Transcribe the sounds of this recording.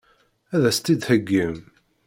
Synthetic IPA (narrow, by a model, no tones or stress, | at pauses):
æðæst̪id̪həɡːəm